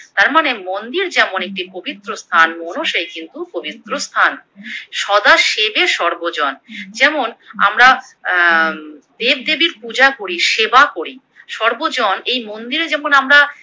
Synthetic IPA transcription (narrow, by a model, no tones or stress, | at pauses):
t̪aɾmanemond̪iɾd͡ʑɛmonek̚ʈikobit̪ːɾost̪ʰanmonoʃejkint̪ukobit̪ːɾost̪ʰanʃɔd̪aʃebeʃɔɾbod͡ʑɔnd͡ʑɛmona̰mɾa | d̪eb̚d̪ebiɾpud͡ʑakoɾiʃebakoɾi | ʃɔɾbod͡ʑɔnejmond̪iɾed͡ʑɛmonamɾa